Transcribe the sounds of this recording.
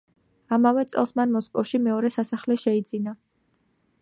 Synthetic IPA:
amavɛt̪sʼɛ̰lˠsmanmɔskʼɔfʃimɛɔɾɛsasaχlɛʃɛid̪zina

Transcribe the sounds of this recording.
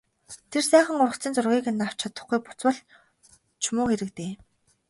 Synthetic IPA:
t̪ʰersæːχə̆ŋʊrə̆kt͡siːnt͡sʊrʁʲiːkĕnːaw̥t͡ɕʰat̪ə̥̆χɡujpʊ̥t͡swə̆ɮ | t͡ɕʰʊmʊːxeɾɘ̆kt̪eː

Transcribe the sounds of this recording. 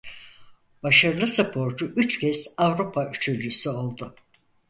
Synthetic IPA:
baʃaɾlˠɯsɨpʰo̞ɾd͡ʒuʔyt͡ʃcɛz̥avɾupʰayt͡ʃʰyɾlysyo̞lˠd̪ʊ

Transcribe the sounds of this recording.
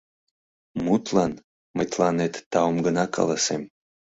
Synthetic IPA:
mut̪lɑn | məjt̪lɑnet̪ːɑomɡənɑkʰɑ̰lɑsem

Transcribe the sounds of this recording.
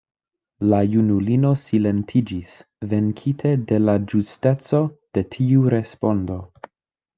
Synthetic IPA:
lajunulino̞sile̞ntʰid͡ʒis | ve̞ŋkʰitʰe̞de̞lad͡ʒuste̞t͡so̞d̥e̞tʰiuɾe̞spo̞ndo̞

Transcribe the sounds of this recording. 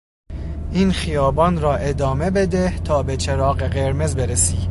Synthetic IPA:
ʔiːnxijɒːbɒːnɾɒːʔe̞d̪ɒːme̞be̞d̪eht̪ʰɒːbet͡ʃʰeɾɒːɣeɣeɾmezbeɾesiː

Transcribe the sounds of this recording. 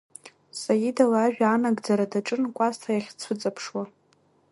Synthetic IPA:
sajidalaːʒᶣaaːnaɡd͡zaɾadaʈ͡ʂʼɨnkʷʼastʰajaχʲt͡sʷʰʊt͡sʼapʰʂwa

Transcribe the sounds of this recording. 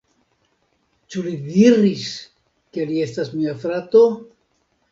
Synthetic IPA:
t͡ʃulidiɾis | ke̞lie̞stasmiafɾat̪o̞

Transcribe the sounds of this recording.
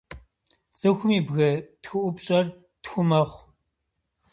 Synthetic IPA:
t͡sʼɨxʷʊmiːbɣɐtxɨʔʷʊpɕʼɐr | txʷʊmɐχʷ

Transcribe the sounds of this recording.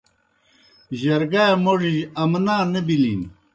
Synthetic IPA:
ʑɐɾɡamoʐid͡ʑɐmnaːnebilin

